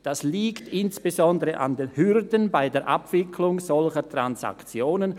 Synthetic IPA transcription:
d̥asliːktɪnsb̥ezɔndəʁəʔa̰ndenhʏrdənbaɪdeːɐʔapv̥ɪkʰlʊŋzɔlçətʁ̥ansa̰kt͡sjoːnən

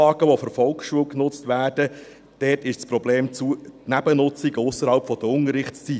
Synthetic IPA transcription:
ɑːɡəʋofɔɾfɔlkχsʃuəlknʊt͡stvæːd̥ə | d̥ɛːtɪʃt͡spɾɔbleːmt͡sunæb̥ənʊt͡siɡəʊsːəɾhɑlpfɔd̥̪əʊnəɾɪχtt͡st͡si

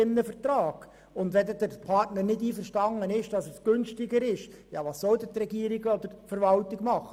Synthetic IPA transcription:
ɪnːəfəɾt̪rɑːɡ̥ | ʊnd̪ʋɛd̪əd̪əɾpʰɑrtnəɾnɪdiːfəɾʃtɑŋənɪʃd̥ɑsəsɡ̥ʏnstɪɡəɾɪʃ | jɑːʋɑːsːɔld̪ətrɛɡiːɾɪɡɔd̥̪əɾfəɾʋɑltɪɡmɑχə

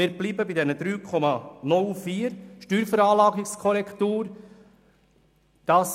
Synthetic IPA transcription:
ɪːɾbliːbəbid̪ɛnəd̪ɾyːkʰɔmɑnʊlˠfiːəɾʃtyːɾfəɾɑːlɑːɡɪkskʰɔɾɛkt̪uːɾ | d̥ɑːs

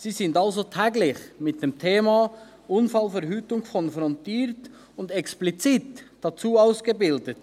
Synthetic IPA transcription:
siːsɪndalzotʰɛːɡlɪçmɪt̚d̥eːmtʰeːma | ʔʊnfalfɛʁɦyːtʊŋkʰɔnfɾɔntiːɾt | ʊndɛksplit͡sitd̥at͡suːaʊsɡ̥əbɪldət

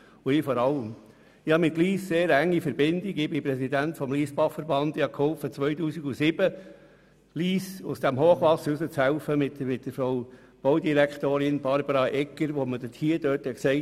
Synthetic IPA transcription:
ʊɪfɔɾɑləm | ɪhɑmɪt̪liːsseːɾæŋːifəɾbɪndɪɡɪbɪpɾɛsid̪æntfɔmliːsbɑχfəɾbɑnd̪ɪhɑkhɔlfət͡sʋœʏtuːsiɡusɪb̥ə | liːsʊsd̥æmɦoːχʋɑsːəɾusət͡shæʊfəmɪmɪt̚d̥əfɾow | b̥ɔʊdiɾækχt̪oːɾɪnbɑɾbəɾɑʔɛkːəɾʋoməd̥ɪthiəd̥œːthɛksɛɪ

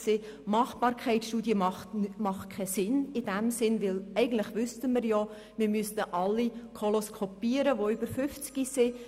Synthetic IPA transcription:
sɪ | mɑχb̥ɑːɾkʰɛɪtʃtuːdjəmɑχmɑχt̚kʰɛsɪnɪdæmsɪnʋɪlɛɪɡən̩tlɪχʋʏstəmɪɾjɔ | mɪɾmystəʔɑlːikʰoloskʰopiəɾəʋoʏbəɾfʏft͡sɡ̥isɪ

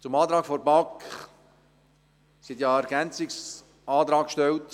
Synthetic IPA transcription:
t͡sʊmɑːt̪ɾɑːɡ̥fɔɾbɑk | sit̪jɑæɾɡænt͡sɪks | ɑːt̪ɾɑːkkʃtɛlt

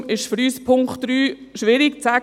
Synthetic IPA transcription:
ɪʃfəɾyːspʰʊŋkχtɾyː | ʃʋɪɾikt͡sæ

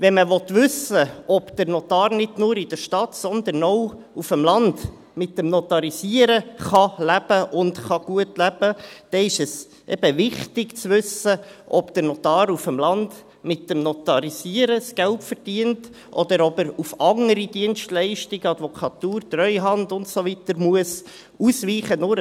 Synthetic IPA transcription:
ʋɛnməʋɔt̪ʋʉsəʔɔbd̥̪əɾnɔt̪ɑːɾnɪdnuːɾɪd̥əɾʃtɑtsɔnd̪ənɔw | ufəmlɑnd | mɪt̚ːəmnɔt̪ɑɾisiəɾəχɑlæb̥əʔʊndχɑɡ̥uətlæb̥əd̥ɛɪʃəs | ʔɛ̰b̥əvɪχtɪɡt͡sʋʉsəʔɔbd̥̪əɾnɔt̪ɑːɾufəmlɑnd̥ | mɪt̚dəmnɔt̪ɑɾisiəɾəsɡ̥ælpfəɾd̥iənt | ʔɔd̪əɾɔbəɾufɑŋəɾid̥iənʃtlɛɪʃtɪɡəɑd̪vɔkʰɑt̪uːɾtrœʏɦɑndʊntsoʋit̪əɾmuəs | usʋiːχənʊɾ

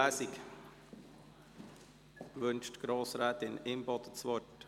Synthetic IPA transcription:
æːsɪk | ʋɵnʃtɡ̥ɾoːsɾɛːt̪ɪnɪmbɔd̪ət͡sʋɔt

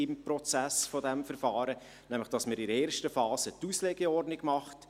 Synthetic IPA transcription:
ɪmpɾɔt͡sæsfɔdɛmfəɾfɑːɾə | næmləχd̥ɑsməɾɪdəeːɾʃtəfɑːsətuːsleɡəɔrdnɪɡmɑχt

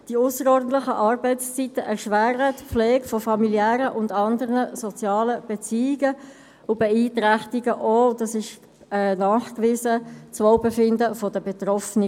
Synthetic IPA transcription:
d̥iʊsəɾɔːɾdn̩t̪lɪχəʔɑːɾbɛɪtst͡sitəʔɛʁʃʋæːɾətflɛːɡfɔfɑmiliæːɾəʔʊndɑndəʁnəsɔt͡sjɑːləb̥et͡siːɪɡə | ʊbɛiːtɾæχt̪iɡəʔod̪ɑsɪʃ | ɛnɑːχkʋɪːzət͡svɔʊbɛfɪndəfɔd̥əbet̪rɔfnə

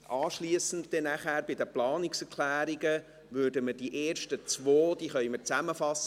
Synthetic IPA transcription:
ʔɑːʃliəsən̩t̚d̪̥ɛnæχæːɾbɪdəplɑːnɪksɛɾkʰlæːɾiɡə | ʋʏːɾdəmədiʔeːɾʃtət͡sʋoːd̥iːχœjməɾt͡sæməfɑsːə

